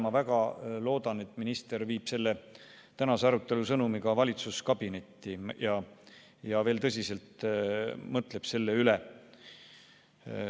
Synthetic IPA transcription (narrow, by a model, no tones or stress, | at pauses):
mɑvæɡ̥ɑlo̞ːd̪̥ɑne̞t̪ːˑminist̪e̞ɾviːb̥se̞lːe | t̪ænɑseɑɾut̪ːˑe̞lusɤnumiɡɑvɑlʲit̪suskɑb̥ine̞t̪ːijɑ | jɑve̞ːlt̪ɤs̬ʲise̞lt̪ | mɤt̪ˑle̞b̥se̞lːeyle